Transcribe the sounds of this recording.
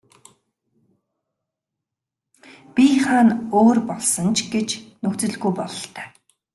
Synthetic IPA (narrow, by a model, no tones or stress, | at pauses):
pʲiχaːnoːrpɔɮsɞ̆nt͡ɕʰɡet͡ɕnɵkt͡sɘ̆ɮɣujpɔɮɞ̆ɬt̪œ̥ː